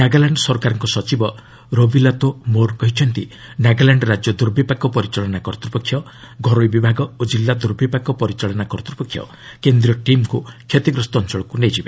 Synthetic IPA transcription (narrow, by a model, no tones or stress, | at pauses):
naɡalaɳɖsɔɾkaɾɔŋkɔsɔt͡ʃibɔ | ɾobilat̪omokɔɦit͡ʃʰɔnt̪inaɡalaɳɖɔɾad͡ʒjɔd̪uɾbʱipakɔpɔɾit͡ʃɔɭɔnakɔɾt̪ɾupɔkʰːjɔ | ɡʱɔɾoibibʱaɡɔod͡ʒilːad̪uɾbʱipakɔpɔɾit͡ʃɔɭɔnakɔɾɔt̪ɾupɔkʰːjɔ̰ | kend̪ɾiɔʈimkukʰjet̪iɡɾɔst̪ɔnt͡ʃɔɭɔkuned͡ʒibe